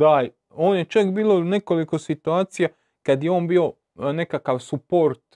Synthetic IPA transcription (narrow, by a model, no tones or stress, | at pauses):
d̪a | o̞ːnjet͡ʃakbiːlo̞ne̞ko̞liko̞sit̪uaːt̪sija | kad̪jeo̞ːnbiːo̞ | ne̞kakaʋsupoɾt̪